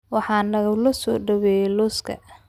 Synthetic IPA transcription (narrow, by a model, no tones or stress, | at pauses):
wɑħɑːnɐɣɐlɐsɔːɖɐwɛjɛlʊskʰɐ̰